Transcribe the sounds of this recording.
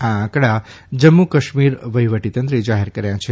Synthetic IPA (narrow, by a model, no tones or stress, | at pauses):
ããkɽad͡ʒəmːukəʃmiɾʋəɦiʋəʈit̪ənt̪ɾəd͡ʒaɦeɾkəɾjãt͡ʃʰe